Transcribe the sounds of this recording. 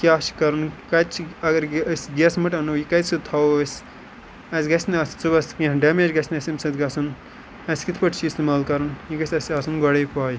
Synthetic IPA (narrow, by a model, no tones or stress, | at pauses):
kʲaːʃkɐɾɨnkɐt͡ʃʰɐɡɐɾsɡesmɨʈɐnojikɐt͡sʰɨt̪ʰɐwɐsʲ | ɐsʲɡɐsʲnɐst͡subɐskĩɖɐmeːd͡ʒɡɐsʲnɐsʲimsɐt̪ɡɐsun | ɐsʲkit̪ʰpɐʈʰt͡ʃʰiːst̪imaːlkɐɾɨnjikɐsʲɐsɐsunɡɔɽepaːj